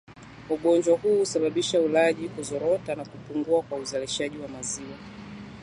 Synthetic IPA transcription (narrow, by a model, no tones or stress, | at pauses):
uɠɔnd͡ʒwahuːusaɓaɓiʃaulaʄikuzɔɾɔtanakupuŋɡuakwauzaliʃaʄiwamaziwa